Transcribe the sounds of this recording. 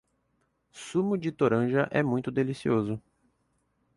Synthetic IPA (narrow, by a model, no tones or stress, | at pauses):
sũmʊd͡ʒɪt̪oɾɐ̃ʒɐʔɛmũj̃t̪ʊd̪elisiozʊ